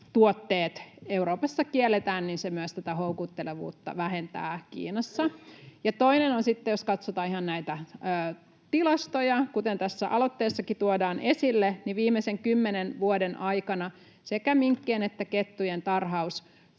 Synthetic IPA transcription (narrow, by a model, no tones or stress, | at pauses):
t̪uot̪ːeːt̪euɾoːpɑsːɑkielːet̪æːnninsemyøst̪æt̪æhoukut̪ːeleʋṵːt̪ːɑ̰ʋæɦent̪æ̰ːkḭːnɑsːɑjɑt̪oinenonsit̪ːejoskɑt̪sot̪ɑːihɑnnæit̪æøː | t̪ilɑst̪ojɑkut̪ent̪æsːæ̰ʔɑlot̪ːeːsːɑkit̪uodɑːnʔesilːeniʋiːmːeseŋkymːenenʋuodenʔɑjkɑnɑ | sekæmiŋkːeːnet̪ːæket̪ːujent̪ɑrɦɑus